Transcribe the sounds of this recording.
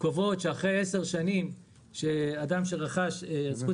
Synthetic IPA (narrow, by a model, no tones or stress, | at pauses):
kovo̞t̪ʃeaχʁejeseʁʃanim | ʃead̪amʃeʁaχaʃezχu